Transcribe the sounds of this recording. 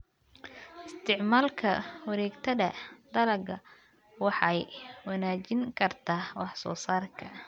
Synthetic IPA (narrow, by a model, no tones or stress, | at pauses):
ɪst̪ʰɪʕmaːlkʰɐwɑɾɛːɡt̪ʰɐðɐd̪ɐlɐɡɐ | wɑħɑjwɑnaːt͡ʃɪŋkʰɐrt̪ʰaːwɑħsɔ̰ːsaːrkʰɐ